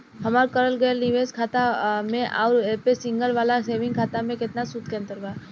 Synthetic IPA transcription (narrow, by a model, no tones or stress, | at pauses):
ɦɐmaːɾkəɾəlɡəeniʋeːskʰaːt̪amẽʔaːɾepesɪ̃ŋɡəlʋaːlaseːʋɪ̃ŋɡkʰaːt̪amẽkɪt̪nasut̪kẽnt̪əɾɡaː